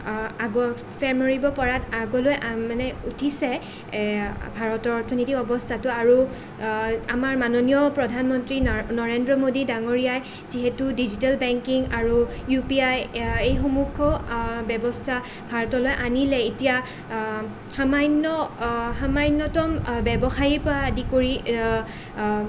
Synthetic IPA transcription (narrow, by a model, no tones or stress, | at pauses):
aɡɔ | pʰɛɹnoɹibɔpɔɹataɡɔlojʔamanɛutʰisɛ | bʱaɹɔtɔɔɹtʰɔnitikɔbɔstʰatʊaɹu | amaɹmanonijɔpɹɔdʱanmɔntɹinɔɹendɹɔmodidaŋoɹijaj | ziɦetudizitalbɛŋkiŋaɹujupiajejxɔmukʰːɔbɛbɔstʰa | bʱaɹɔtɔlɔjʔanilɛetija | xamajnːɔxamajnːɔtɔmbɛbɔxajiɹpɔɹaːdikoɹi